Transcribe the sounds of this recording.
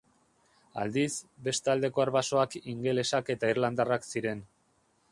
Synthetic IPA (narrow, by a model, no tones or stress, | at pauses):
a̰ld̪isbe̞st̪ald̪e̞ko̞aɾβaso̞akiŋɡe̞le̞sake̞t̪airland̪araksiɾe̞n